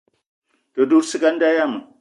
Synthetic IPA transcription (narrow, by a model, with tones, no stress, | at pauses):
do˨du˦ɾsi˦ka˦n˦da˦ja˦mə˨